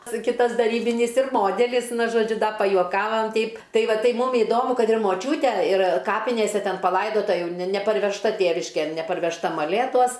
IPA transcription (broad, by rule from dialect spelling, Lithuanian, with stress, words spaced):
ˈsʊ ˈkʲɪtɐs dɐˈrʲiːbʲɪnʲiːs ɪr ˈmoːdʲɛlʲɪs ˈnʊ ʒoːˈd͡ʒʲʊ ˈdɐ pɐjuɔˈkɑːʋɐm ˈtʲɛɪp ˈtɐɪ ˈʋɐ ˈtɐɪ ˈmʊm ɪˈdoːmʊ ˈkɐt ɪr moːˈt͡ʃʲuːtʲɛ ɪr ˈkɑːpʲɪnʲeːsʲɛ ˈtʲɛn pɐˈlˠɐɪdoːtɐ ˈjɛʊ nʲɛ nʲɛpɐrʲʋʲɛʃˈtɐ ˈtʲeːʋʲɪʃʲkʲeːn nʲɛpɐrʲʋʲɛʃˈtɐ mɐˈlʲeːtuɔs